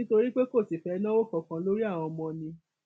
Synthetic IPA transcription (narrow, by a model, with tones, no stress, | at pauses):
to˧ɾi˦k͡pe˦ko˦˨ti˨fɛ˧˦nã˦o˦˨kɔ˨kã˧lo˦ɾi˦a˦˨w̃ɔ̃˧mɔ̃˧nĩ˧